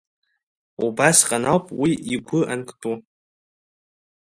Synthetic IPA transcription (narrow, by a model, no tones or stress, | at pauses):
ṵbasqʼanawpʼwiiɡʷʊʔankʷʼʰtʼu